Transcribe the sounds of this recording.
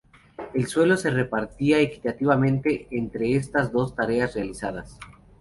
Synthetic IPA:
e̞lswe̞lo̞se̞re̞paɾt̪iaeki̥t̪at̪iβamẽnt̪e̞ːnt̪ɾe̞es̬t̪azd̪o̞st̪aɾe̞asrealisað̞as

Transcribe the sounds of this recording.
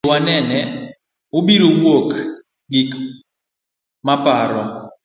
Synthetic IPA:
wanɛnɛ | ʊbiɾowok | ɡik | mapaɾɔ

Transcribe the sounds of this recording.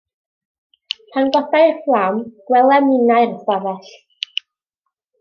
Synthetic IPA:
pʰanɡwɔθajrflˠamɡ̥wɛlˠɛmɪnajrsavɛɬ

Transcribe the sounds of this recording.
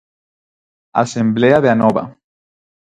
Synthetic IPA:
a̰sembleaðeanoβa̰

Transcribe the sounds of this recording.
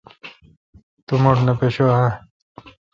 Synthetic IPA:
t̪umoʈnepeɕoɦã

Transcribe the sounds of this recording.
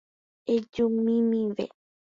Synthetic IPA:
ed͡ʒumĩmĩʋḛ

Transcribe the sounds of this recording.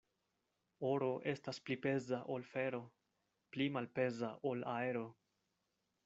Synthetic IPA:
o̞ɾo̞ʔe̞stasplipe̞zaʔo̞lfe̞ɾo̞ | plimalpe̞zaʔo̞lae̞ɾo̞

